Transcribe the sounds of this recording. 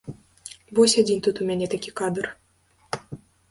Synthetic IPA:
bosʲed̪ʲinʲt̪ut̪umʲænʲet̪ækʲikɑd̪ɤ̆r

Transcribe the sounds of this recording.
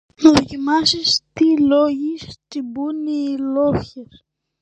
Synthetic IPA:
naðocimasist̪iloʝist̪ibuniloçes

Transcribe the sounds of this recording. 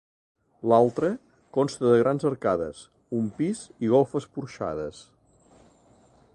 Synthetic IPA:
lalˠt̪ɾə | kɔnst̪əðəɣɾanzəɾkaðə̰s | umpiziɣolˠfəspuɾʃa̰ðəs

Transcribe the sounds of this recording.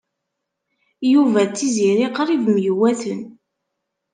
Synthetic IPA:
juvæt͡sːiziɾiqɾˤivmjwæθən

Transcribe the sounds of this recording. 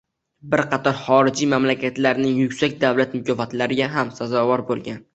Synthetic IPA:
bɪɾqʰɑt̪ʰɒɾχɒɾɪd͡ʒimamlakʲʰat̪laɾnɪŋjʊkʲsak̚ʲd̪avlat̪mʊkʲɒfat̪laɾɪɡʲaɦamsazɒvɒɾbolˠɡʲan

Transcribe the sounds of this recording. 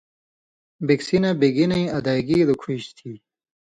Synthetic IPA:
biksinɐbeɡinɐĩɐd̪ajɡiːd̪ukʰuɕt̪ʰiː

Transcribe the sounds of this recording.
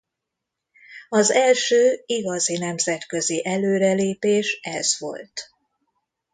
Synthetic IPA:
ɒzɛlʃøːiɡɒzinɛmzɛt̪kø̞ziʔɛløːɾɛleːpeːʃɛz̥ʋo̞̰lt̪

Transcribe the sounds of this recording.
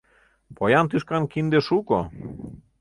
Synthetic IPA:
pojɑnt̪yʃkɑnkind̪eʃuko̰

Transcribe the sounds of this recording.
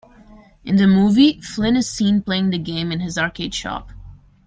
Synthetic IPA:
ʔɨ̃nðɨmuviflɪ̃nɨz̥sĩnpl̥eɪɪ̃ŋðɨɡẽɪ̃mɨ̃nɨzɑɹkʰeɪd̥ʃɑ̰p

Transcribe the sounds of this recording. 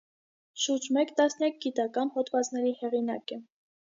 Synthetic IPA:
ʃuɾd͡ʒmɛkt̪ɑsnjɑk̚ɡit̪ɑkɑnhɔt̪vɑt͡snɛɾihɛʁinɑ̰kɛ

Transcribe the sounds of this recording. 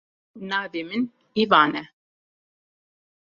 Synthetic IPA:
naːvemin | ivaːnɛ

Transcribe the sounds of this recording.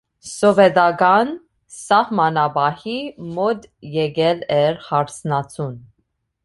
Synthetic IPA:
sɔvɛd̪ɑɡɑn | sɑhmɑnɑbɑhimɔd̪jɛɡɛlɛɾhɑɾt͡sʰnɑt͡sʰun

